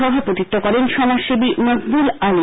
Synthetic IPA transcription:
ɔbʱapot̪it̪ːokɔɾenʃɔnaʃibinoɡbulali

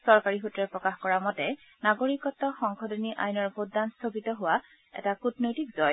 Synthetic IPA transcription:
sɔɹkaɹiɦutɹɛpɹɔkaxkɔɹamɔtɛ | naɡoɹikɔtːɔxɔŋkʰɔdoniʔa̰jnɔɹbʱodːanstʰobitɔɦʊwa | ɛ̰takutnojtikz̥ɔj

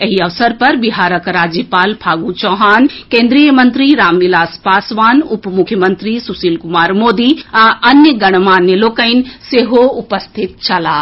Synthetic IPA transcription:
ɐɦiɐʋsəɾpɐɾbiɦaːɾəkɾaːd͡ʑipaːlpʰaːɡut͡ɕɔːɦaːnkẽːnd̪ɾijəmɐ̃nt̪ɾiɾaːmʋilaːspaːsʋaːnʊpmʊkʰjəmɐ̃nt̪ɾisusiːlkʊmaːɾmoːd̪iãʔɐnjəɡɐɽ̃maːnːeloːkəɪnɪ̆seɦoʊpəst̪ʰɪt̪̚t͡ɕʰɐlaː

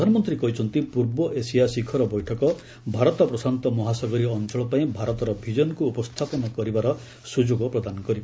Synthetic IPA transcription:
pd̪ʱanɔmɔnt̪ɾikɔɦit͡ʃʰɔnt̪ipuɾbɔʔesijasikʰɔɾɔbɔjʈʰɔkɔ | bʱaɾɔt̪ɔpɾɔsant̪ɔmɔɦasɔɡɔɾiɔnt͡ʃɔɭɔpaĩbʱaɾɔt̪ɔɾɔbʱid͡ʒɔnɔkuːpɔst̪ʰapɔnɔkɔɾibaɾɔ | sud͡ʒoɡɔpɾɔd̪anɔkɔɾiba

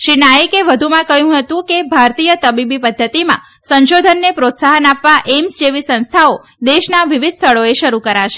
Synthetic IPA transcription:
ʃinajəkeʋəd̪ʱumãkəɦjũɦət̪ũkebʱaɾt̪ijət̪əbibipəd̪ʱːət̪imã̰ | sə̃nʃod̪ʱənːepɾot̪saɦənapʋaʔemsd͡ʒeʋisə̃nst̪ʰao | d̪eʃnaʋiʋid̪ʱst̪ʰəɭoeʃəɾukəɾaʃe̥

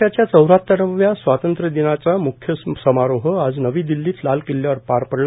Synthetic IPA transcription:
at͡ɕjat͡səwɾat̪ːəɾəʋjasʋat̪ənt̪ɾəd̪inat͡samukʰjəsəmaɾoɦəad͡znəʋiːd̪ilːiːt̪lalkilːjaʋəɾpaɾpəɾl

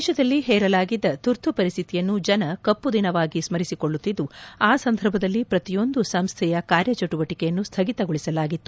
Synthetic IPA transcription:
dːʃɐd̪ɐlːiɦɛːɾɐlaːɡid̪ːɐt̪uɾt̪ʰupɐɾist̪ʰit̪ijɐnːud͡ʒɐnɐkɐpːud̪inɐʋaːɡismɐɾisikoɭːut̪ːid̪ːuaːsɐnd̪ʱɐɾbʱɐd̪ɐlːipɾɐt̪ijo̞nd̪usɐmst̪ʰɛjɐkaːɾjɐt͡ʃɐʈuʋɐʈikɛjɐnːust̪ʰɐɡit̪ɐɡoɭisɐlaːɡit̪ːu̥

